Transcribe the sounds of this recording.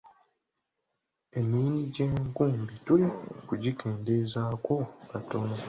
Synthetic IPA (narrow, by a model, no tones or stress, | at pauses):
e̞miniɟeːŋkuːmbitulikuɟikʰe̞ːndezaːko̞kato̞no